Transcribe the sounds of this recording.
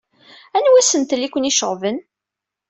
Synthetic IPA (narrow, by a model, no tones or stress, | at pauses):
ænwæsənt̪likʷːəniʃəʁvən